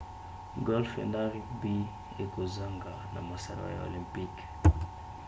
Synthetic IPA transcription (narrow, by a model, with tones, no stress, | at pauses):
ɡɔ˦lfḛ˨nda˦ʁikbi˦ | e˨ko˨za˦ŋɡa˨na̰˨ma˨sa˨ɾa̰˦ja̰˨o̰˨lĩ˨mpi˦k